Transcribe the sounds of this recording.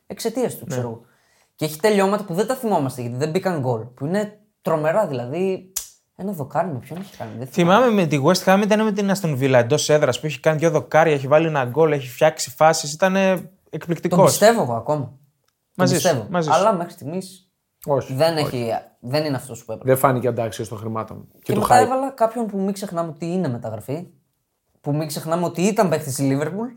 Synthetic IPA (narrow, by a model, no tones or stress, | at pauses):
ekse̞t̪iɐst̪useɾoɣo | ceeçi̥t̪e̞ʎo̞mɐt̪ɐpuðend̪ɐθimo̞mɐst̪e̞ʝɐt̪iðe̞mbikɐŋɡo̞lpuine̞ | t̪ɾo̞me̞ɾɐðilɐði | e̞nɐðo̞kɐɾmepçoneçi̥kɐ̰niðeθimɐmemet̪iɣuest̪ixɐmit̪ɐnemet̪̬inɐst̪onvilɐend̪o̞se̞ðɾɐspueçi̥kɐniʝoðo̞kɐɾʝɐeçivɐlienɐɡo̞leçifçɐksifɐsis̬it̪ɐne̞ | ekplikt̪it̪oko̞st̪e̞voeɣoɐko̞mɐ | mɐzisevomɐziɐlɐmexɾist̪iɣmis | oçðe̞neçi | ðe̞nineɐft̪o̞spuepɾðefɐniceɐd̪ɐksiost̪oxɾimɐt̪o̰mu | eeomeɐevɐlɐkɐpço̞npumikse̞xnɐmeot̪iinemet̪ɐɣɾɐfi | pumikse̞xnɐmeot̪iit̪ɐmpekt̪isiliveɾpul